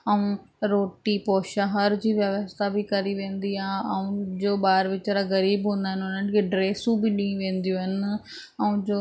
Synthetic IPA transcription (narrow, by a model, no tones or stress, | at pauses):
əũːɾoːʈiːpoːʃaɦəɾd͡ʑiːʋjəʋəst̪ʰaːbʱiːkəɾiːʋẽːnd̪iːaːɐũːd͡ʒoːɓaːɾʋɪt͡ʃːɾaːɣəɾiːbɦõːnd̪aːɦɪnoːnənkeɖɾeːsũːbʱiːɗĩĩʋẽːnd̪ijũːɦən | əũːd͡ʒoː